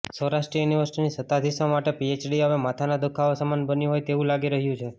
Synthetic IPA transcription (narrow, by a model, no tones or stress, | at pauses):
soɾasʈɾijuniʋəɾsi̥ʈinisət̪ad̪ʱisamaʈepiet͡ʃɖiɦəʋemat̪ʰanad̪ukʰaosəmanbənjuɦojt̪eʋũlaɡiɾəɦjũt͡ʃʰe